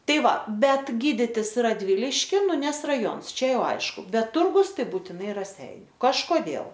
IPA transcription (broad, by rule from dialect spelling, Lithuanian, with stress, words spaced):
ˈtɐɪ ˈʋɐ ˈbʲɛt ˈɡʲiːdʲɪtʲɪs rɐdʲˈʋʲɪlʲɪʃʲkʲɪn nʊ ˈnʲɛs rɐˈjoːns ˈt͡ʃʲɛ ˈjɛʊ ˈɐɪʃkʊ ˈbʲɛt ˈtʊrɡʊs ˈtɐɪ buːtʲɪˈnɐɪ rɐˈsʲɛɪnʲʊ kɐʃkoːˈdʲeːlˠ